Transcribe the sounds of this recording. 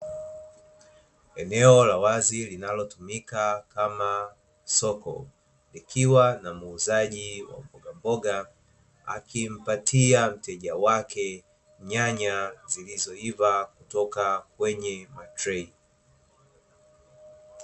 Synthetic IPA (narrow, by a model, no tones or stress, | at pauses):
ɛnɛɔlawazilinalɔtumikakama | sɔkɔ̰ | likʰiwanamuːzaʄiwa̰mbɔɡambɔɠa | a̰kʰim̩patʰiam̩tɛʄawakʰɛ | ɲaɲazilizɔivakutɔkakwɛɲɛmatɾɛi